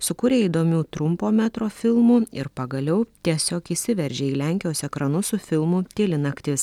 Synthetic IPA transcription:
sʊkʊɾʲeːiːd̪oːmʲuːt̪ɾʊmpoːmʲæt̪ɾoːfʲɪlˠmuːɪ̰ɾpɐɡɐlʲɛʊt̪ʲiɛsʲoːkisʲɪʋʲɛɾʲʒʲeːiːlʲæˑŋʲkʲɪjoːsɛkɾɐnʊsʊfʲɪlˠmʊt̪ʲeːlʲɪnɐkt̪ʲɪs

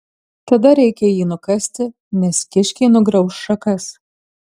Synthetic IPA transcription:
t̪ɐd̪ɐɾʲɛɪkʲɛjiːnʊkɐsʲt̪ʲɪ | nʲɛskʲɪʃʲkʲiːnʊɡɾɐʊsʃɐkɐs

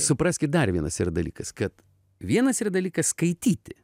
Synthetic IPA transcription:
sʊpɾɑːsʲkʲɪt̪̚d̪ɐɾʋʲiɛnɐsiɾɐd̪ɐlʲḭːkɐskɐt̪ | ʋʲiɛnɐsiːrɐd̪ɐlʲiːkɐskɐɪt̪ʲiːt̪ʲɪ

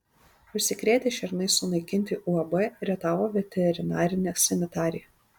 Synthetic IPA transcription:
ʊʃʲsʲɪkɾʲeːt̪ʲeːʃʲɛɾʲnɐɪsʊnɐɪkʲɪnʲt̪ʲɪʔuɐbɛɾʲɛt̪ɑːʋoːʋʲɛt̪ʲɛɾʲɪnɑːɾʲɪnʲɛːsʲɛmʲɪt̪ɑːɾʲɪjɛ

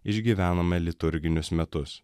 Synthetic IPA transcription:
ɪʒʲɡʲiːʋʲæːnɐmɐlʲɪt̪ʊɾʲɡʲɪnʲʊsmʲɛt̪ʊs

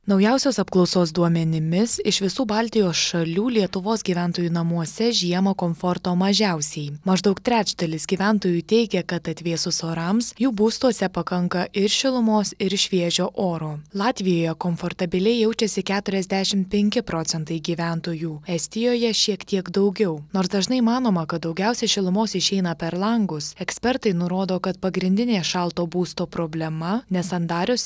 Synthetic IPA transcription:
nɒʊjɛˑʊsʲoːsɐpklˠɒʊsoːsd̪uɔmʲɛnʲɪmʲɪsɪʃʋʲɪsuːbɑːlʲt̪ʲɪjoːsʃɐlʲuːlʲiɛt̪ʊʋoːsɡʲiːʋʲæˑnt̪oːjuːnɐmuɔsʲɛʒʲiɛmɐkoːmfoɾt̪oːmɐʒʲæˑʊsʲɛɪmɐʒd̪ɐʊkt̪ʲɾʲæːd͡ʒd̪ɐlʲɪsɡʲiːʋʲænt̪oːjuːt̪ʲɛɪɡʲɛkɐt̪ɐt̪ʲʋʲeːsʊsoːɾɐmsjuːbuːst̪uɔsʲɛpɐkɐŋkɐʔɪɾʃʲɪlˠʊmoːsɪɾʃʲʋʲiɛʒʲoːʔoːɾoːlˠɑːt̪ʲʋʲɪjoːjɛkoːmfoːɾt̪ɐbʲɪlʲɛɪjɛʊt͡ʃʲɛsʲɪkʲæːt̪ʊɾʲɛzʲd̪ʲæʃʲɪmpʲɛŋʲkʲɪpɾoːsʲɛnt̪ɐɪɡʲiːʋʲæˑnt̪oːjuːɛsʲt̪ʲɪjoːjɛʃʲiɛkt̪ʲiɛɡd̪ɐʊɡʲɛʊnoːɾsd̪ɐʒnɐɪmɑːnoːmɐkɐt̪̚d̪ɒʊɡʲɛʊsʲɛʃʲɪlˠʊmoːsɪʃʲɛɪnɐpʲɛɾlˠɐŋɡʊsɛksʲpʲɛɾt̪ɐɪnʊɾoːd̪oːkɐt̪pɐɡɾʲɪnʲd̪ʲɪnʲeːʃɑlˠt̪oːbuːst̪oːpɾoːbʲlʲɛmɐnʲɛsɐnd̪ɑːɾʲʊs

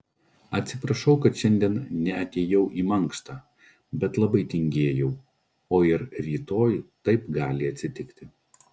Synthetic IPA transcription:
ɐt̪ʲsʲɪpɾɐʃɐʊkɐt̪ʃʲɛnʲd̪ʲiɛnnʲɛɐt̪ʲeːjɛʊʔiːmɐŋˑkst̪ɑː | bʲɛt̪lˠɐbɐɪt̪ʲɪŋʲɡʲeːjɛʊ | oːɪɾɾʲiːt̪oːjt̪ɐɪpɡɑːlʲɪɐt̪ʲsʲɪt̪ʲɪkt̪ʲɪ

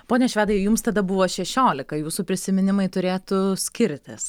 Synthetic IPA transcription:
poːnʲɛʃʲʋʲæːd̪ɐɪjʊmst̪ɐd̪ɐbʊʋoːʃʲɛʃʲoːlʲɪkɐjuːsupʲɾʲɪsʲɪmʲɪnʲɪmɐɪt̪ʊɾʲeːt̪ʊsʲkʲɪɾʲt̪ʲɪs

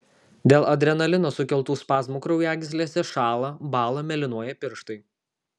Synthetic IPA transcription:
d̪ʲeːlˠɐd̪ʲɾʲɛnɐlʲɪnoːsʊkʲɛlˠt̪uːspɑːsmʊkɾɐʊjæːɡʲɪsʲlʲeːsʲɛʃɑːlˠɐbɑːlˠɐmʲɛlʲɪnuɔjɛpʲɪɾʃt̪ɐɪ

